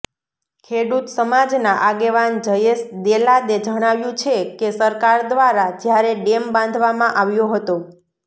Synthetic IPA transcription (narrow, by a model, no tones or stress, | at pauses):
kʰeɽut̪səmad͡ʒnaʔaɡeʋand͡ʒəjesd̪elad̪ed͡ʒəɽ̃aʋjũt͡ʃʰekesəɾkaɾd̪ʋaɾad͡ʒjaɾeɖembãnd̪ʱʋamãʔaʋjõɦət̪o